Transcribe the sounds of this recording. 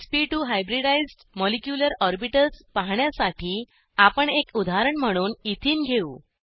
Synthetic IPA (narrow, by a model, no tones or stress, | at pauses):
spiʈuɦajbɾiɽajzɖmɔlekjuləɾɔɾbiʈəlspaɦɳjasaʈʰiː | apəɳekud̪ʱaɾəɳm̤əɽ̃uːnit̪ʰiːnɡʱeuː